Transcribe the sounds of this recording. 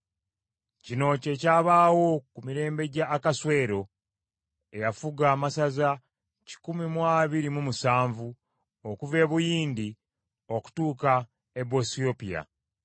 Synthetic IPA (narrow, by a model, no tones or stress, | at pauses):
cino̞ːce̞caːβaːwo̞kumiɾe̞ːmbe̞ɟaːkaswe̞ːɾo̞ | e̞jafuɡaːmasaza | ci̥kumimwaβiɾimumusaːɱvu | okuve̞ːβujiːndi | o̞ku̥tuːka | ebo̞sio̞pija̰